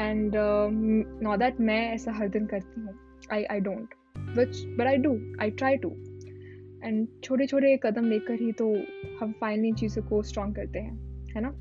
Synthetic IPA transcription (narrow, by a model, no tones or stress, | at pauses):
ɛ̃ɳɖ | nɔːd̪æʈmɛ̃ɛːsaɦɐɾd̪ɪnkɐɾt̪iɦũː | aːɪʔa̰ɪɖõːɳʈ | ʋɪt͡ʃbɐʈaːɪɖuːʔa̰ɪʈɾaːɪʈṵ | ɛ̃ɳɖt͡ʃʰoːʈ̬et͡ʃʰoːʈ̬ekɐd̪əmleːkəɾɦit̪ohɐ̃mfaɪ̃nlɪ̃ŋt͡ʃiːzõkosʈɾɔ̃ːŋɡkɐɾt̪eɦɛ̃ːhɛnaː